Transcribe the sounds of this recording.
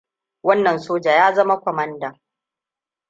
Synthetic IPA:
wɐ˦nːɐ˨nsoː˦d͡ʒaː˨jaː˦zɐ˦ma˦kʷɔ˨mɐ˦nda˨

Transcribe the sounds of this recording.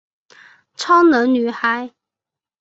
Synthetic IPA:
t͡sʰɑ˥ŋnə˧˥ŋny˨˩xa˨˥˦ɪ

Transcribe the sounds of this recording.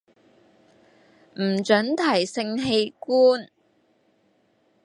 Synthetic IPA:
m̩˨˩t͡ʃɵ˨˥nt̪ʰɐ˨˩jsɪ˧ŋɦe˧jkuː˥n

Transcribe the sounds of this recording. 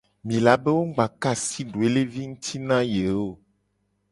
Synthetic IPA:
mĩ˨la˨be˦wo˦ɡ͡ba˨ka˦˨si˦ɖo˨e˦le˦vi˦ŋũ˦t̪ʰi˦nã˦je˨o˦˨

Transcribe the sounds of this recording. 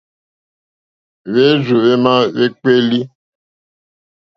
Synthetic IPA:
βe˦zu˨βe˦mã˦βe˦k͡pe˦li˦

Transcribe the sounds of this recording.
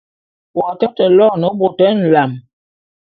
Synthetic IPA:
wɔ˨tɛ˦tə˨lɔ˦˨nə˨˦bo˨tɛ˦n̩˨la˨m

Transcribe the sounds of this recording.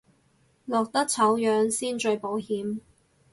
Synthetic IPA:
lɔː˨k̚t̪ɐ˥k̚t͡sʰɐ˨˥wjœː˨˥ŋsiː˥nt͡ʃɵ˧ɥpo˨˥whiː˨˥m

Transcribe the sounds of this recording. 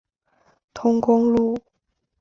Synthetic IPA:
t̪ʰʊ˥ŋkʊ˥ŋlu˥˩

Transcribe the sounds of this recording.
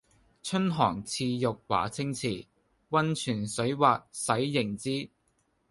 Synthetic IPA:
t͡ʃʰɵ˥nɦɔː˨˩ŋt͡sʰiː˧jʊ˨k̚wa̰ː˨˩t͡sʰɪ˥ŋt͡sʰiː˨˩ | wɐ˥nt͡ʃʰyː˨˩nsɵ˨˥ɥwaː˨t̚sɐ˨˥jːɪ˨˩ŋt͡siː˥

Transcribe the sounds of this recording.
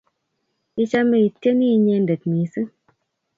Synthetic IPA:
i˦t͡ʃa˦me˦i˨te˦ni˦ɲe˧nde˨t̚mi˨˦sɨ˦

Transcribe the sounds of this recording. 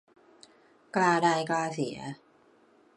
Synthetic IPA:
kaː˧daː˧jkaː˧si˩˦

